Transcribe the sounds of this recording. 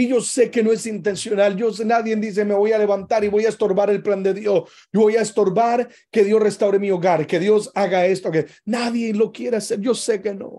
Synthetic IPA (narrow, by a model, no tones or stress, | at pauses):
iʝo̞se̞ke̞no̞esint̪e̞nsjo̞nald͡ʒo̞s̬enaðje̞nd̪is̬eme̞βo̞jale̞βant̪aɾiβo̞jaest̪o̞ɾβaɾe̞lpland̪e̞ðjo̞s | ɟ͡ʝoβo̞jaest̪o̞ɾβaɾ | ke̞ðjo̞sre̞st̪awɾemio̞ɣaɾke̞ðjo̞saɣaest̪okenaðje̞lo̞kje̞ɾease̞ɾʝo̞seke̞no̰